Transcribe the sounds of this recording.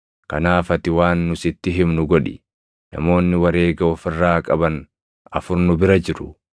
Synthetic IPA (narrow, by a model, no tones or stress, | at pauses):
kɐnaːfɐt̪ɪwaːnːʊsɪt̪ːɪɦɪmnʊɡɔᶑɪ̰ | nɐ̰mo̞ːnːɪwɐɾe̞ːɡɐɔfɪrːaːkʼɐbɐn | ɐfʊɾnʊbɪɾɐd͡ʒɪɾʊ